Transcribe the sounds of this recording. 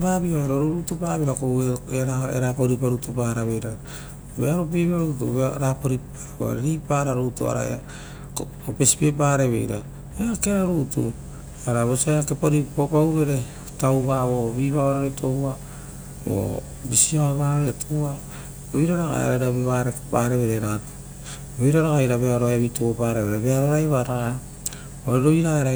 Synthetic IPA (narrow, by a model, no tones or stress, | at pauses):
babioeɾoɾuɾutupaβiɾakoeeɾaḛɾapoɾipaɾutupaɾaβejɾa | βeaɾopibaɾutuβɾapoɾip | o̰ɾeɾipaɾaɾutṵa̰ɾa̰ḛa | ko | ope̞si̥pep̬aːɾeβḛjɾa | eakeɾaɾutṵ | aɾaβosajakepoɾipopauɾe̞ɾe | tawβaβo̞βiβaβaɾaɾetʰo̞wa | βo̰ | bisiaβaɾetʰowa | oijɾaɾaɡa̰ḛɾaɾabeβaɾekepaɾeβeɾeɾato̥ | βejɾaɾaɡajɾaβeaɾoaβituopaɾeβeɾeβeaɾoɾajβaɾaɡa | oɾeɾoβiɾaeɾa